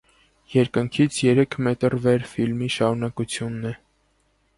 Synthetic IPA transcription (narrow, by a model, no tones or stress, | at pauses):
jɛɾkəŋkʰit͡sʰjɛɾɛkʰmɛt̪əɾvɛɾfilmiʃɑɾunɑkut͡sʰjunːɛ